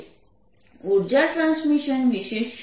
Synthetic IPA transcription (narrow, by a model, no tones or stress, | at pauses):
uɾd͡ʑaʈɾãnsmiʃənʋiʃeʃ